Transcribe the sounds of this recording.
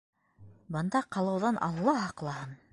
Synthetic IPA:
bɤ̆nd̪ɑqɑlˠɤ̆wðɑnʔɑ̰lˠːɑɦɑqlˠɑhɤn

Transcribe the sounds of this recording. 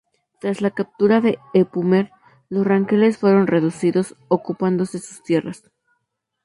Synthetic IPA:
t̪ɾazlakap̚t̪uɾaðe̞epumeɾ | lo̞sraŋkele̞sfwe̞ɾo̞nre̞ðusiðo̞sokupand̪o̞se̞su̥st̪je̞ras

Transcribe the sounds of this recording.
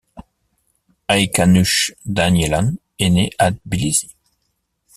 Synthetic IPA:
ajkanyʃd̪anjelan | eneʔad̪̚bilizi

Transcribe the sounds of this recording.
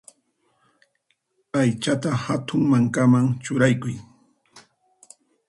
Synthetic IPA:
ajt͡ʃat̪ahat̪ʊŋmaŋkamaŋt͡ʃʊɾajkʊj

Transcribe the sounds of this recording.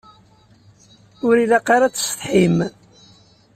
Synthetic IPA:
ʊɾiðaqːɑɾat͡sːə̥st̪ˤħim

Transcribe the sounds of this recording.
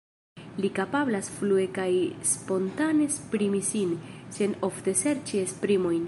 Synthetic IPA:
likapablasflue̞kajspo̞ntane̞spɾimisinse̞no̞fte̞se̞ɾt͡ʃiespɾimo̞jn

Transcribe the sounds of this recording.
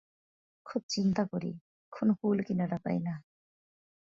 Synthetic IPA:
kʰut̪̚t͡ʃint̪akɔɾḭ | kʰunhulkinaɾata̰jna

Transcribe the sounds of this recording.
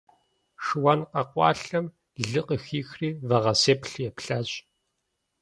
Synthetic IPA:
ʂɨwɐnqɐqʷʼɑ̰ːɬɐm | ɮɨqʼəxiːxriːvɐʁɐseːpɬjɛpɬaɕʼ

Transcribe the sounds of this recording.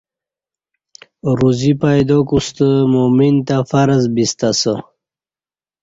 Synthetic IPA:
ɾuzipajd̪okust̪əmomint̪afaɾəzbist̪asə

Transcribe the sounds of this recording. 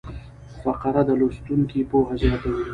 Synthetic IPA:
faqaɾad̪əlost̪uŋkipoɦazɑːt̪awi

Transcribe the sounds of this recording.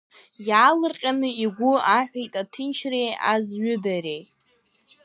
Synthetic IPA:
jaːlɨrqʲʼanɨiɡʷʊaħʷᶣejtʼatʰɨnt͡ʃʰreja̰zɥʏdaɾejtʼ

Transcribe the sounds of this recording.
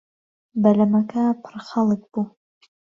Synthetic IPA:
bɐlɐmɐkɐpʰɨɾxɐlˠɨk̚b̥uː

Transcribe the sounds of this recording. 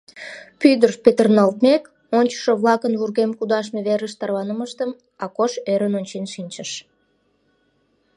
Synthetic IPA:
pyd̪ərʃpet̪ərnɑlt̪̚mek | onʲt͡ɕə̥ʃoβlɑkənβurɣemkud̪ɑʃ̬meβeɾəʃt̪ɑrβɑnəməʃt̪əm | ɑkoʃøɾənonʲt͡ɕenʃinʲt͡ɕəʃ

